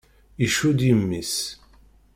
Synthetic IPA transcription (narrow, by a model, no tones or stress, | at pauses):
iʃud̪jimːis